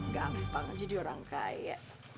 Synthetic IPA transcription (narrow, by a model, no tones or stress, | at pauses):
ɡampaŋd͡ʒadioɾaŋkaj̰ja̰ʔ